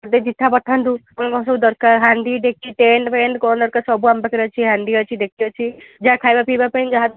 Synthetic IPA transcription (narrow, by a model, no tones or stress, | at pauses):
d̪ed͡ʒit̪ʰːabɔʈʰand̪ukɔnkɔ̃s̬ɔbud̪ɔɾkaɾɦãɳɖ̪iɖ̪ekʰiʈeɳʈpeɳɖkɔnd̪ɔɾkaɾsɔbuambakɾat͡ʃʰiɦãɳɖiɔt͡ʃʰid̪ekʰiɔt͡ʃʰid͡ʒaakʰajbapibapẽnd͡ʒaɦat̪̚